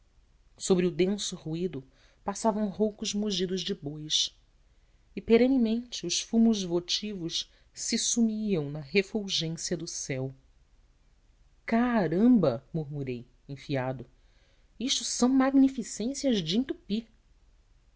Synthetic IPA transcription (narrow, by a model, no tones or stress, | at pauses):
sobɾɪʊd̪ẽsʊhuid̪ʊ | pasavɐ̃w̃ɦowkʊzmuʒid̪ʊʒd͡ʒɪbojʃ | ɪpeɾẽnimẽnt͡ʃɪʊʃfũmʊzvot͡ʃivʊʃ | sɪsumiɐ̃w̃nɐɦefuwʒẽsiɐd̪ʊsɛw | kaɾɐ̃mbɐmuɾmuɾej | ẽfiad̪ʊ | iʃt̪ʊsɐ̃w̃maɡnifisẽsiɐzd͡ʒĩnt̪upi